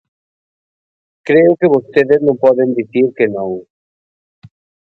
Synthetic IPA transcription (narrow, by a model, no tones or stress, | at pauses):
kɾeʊkeβost̪eðeznõŋpɔðend̪iθiɾkenõŋ